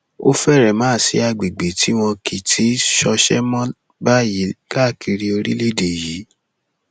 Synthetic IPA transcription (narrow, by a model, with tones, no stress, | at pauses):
o̰˦fɛ˦˨ɾɛ˨mãː˦˨si˧˦a˧ɡ͡be˨ɡ͡be˨tʰi˨˦w̃ɔ̃˧ki˨tʰi˨˦ʃɔ˧ʃɛ̰˦mɔ̃˦ | ba˦ji˨˦ka˦˨kʰi˧ɾi˧o˧ɾḭ˦le˦˨de˨ji˨˦